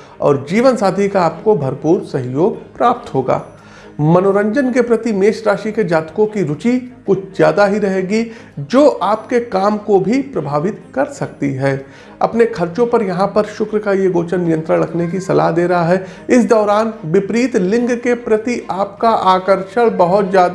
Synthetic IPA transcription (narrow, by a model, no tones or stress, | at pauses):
ɔ̰ːɾd͡ʒiːʋənsaːd̪ʱikaːpkobʱɐɾpuːɾsɐɦijoːɡpɾaːp̚t̪ɦoːɡa̰ː | mɐnoːɾə̃ɲd͡ʒənkepɾɐt̪imeːʃɾaːʃiked͡ʒaːt̪kõkiɾʊt͡ʃikʊt͡ʃʰzjaːd̪aɦiɾɐɦeːɡi | d͡ʒoːʔaːpkekaːmkobʱipɾɐbʱaːʋɪt̪kɐɾsɐk̚t̪iɦɛː | ɐ̰pnekʰɐɾt͡ʃõpɐɾjɐɦãpɐɾʃʊkɾəkajeɡoːt͡ʃənːɪjə̃nt̪ɾə̃ɽɽɐkʰnek̬isɐla̰ɦd̪eːɾɐɦaɦɛɪsd̪ɔːɾaːnʋɪpɾiːt̪lɪ̃ŋɡkepɾɐt̪iʔaːpkaʔaːkəɾʃəɭbɐɦʊt̪d͡ʒjaːd̪